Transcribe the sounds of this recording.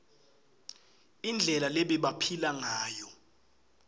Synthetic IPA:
ind͡ɮʱɛlalɛɓɛɓapʰilaŋaːjɔ

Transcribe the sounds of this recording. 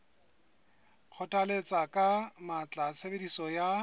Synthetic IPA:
k͡xʰɔtʼalet͡sʼakʼamat͡ɬʼat͡sʰebedisɔja

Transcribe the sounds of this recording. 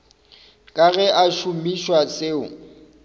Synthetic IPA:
kʼaɣɛʔaʃumiʃwat͡sʼeːʊ

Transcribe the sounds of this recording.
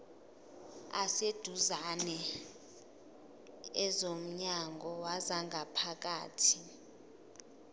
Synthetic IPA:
ased̥ʱuzanɛ | ɛzom̩ɲaŋʱɔwazaŋʱapʰak̬ʼaːtʰi

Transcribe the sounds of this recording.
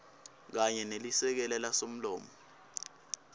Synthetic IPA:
k̬aɲɛnelisɛk̬ɛlɛlasom̩lɔːmɔ

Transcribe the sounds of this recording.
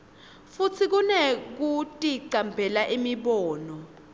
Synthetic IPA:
futʰik̬unek̬utʼiǀambʱɛlaʔimiɓɔːnɔ

